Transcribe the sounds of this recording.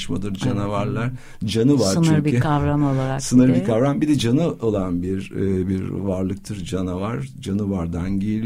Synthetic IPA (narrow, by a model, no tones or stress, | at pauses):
ʃmad̪ˠɯɾd͡ʒanavaɾlˠaɾ | d͡ʒanɯvaɾnyɾbiykʰavɾamolˠaɾasɯnɯɾbikʰavɾambid̪ɛd͡ʒanɯo̞lˠanbiɾbiɾvaɾlˠɯk̚t̪ʰɯɾd͡ʒanavaɾd͡ʒanɯvaɾd̪anɟejilʲi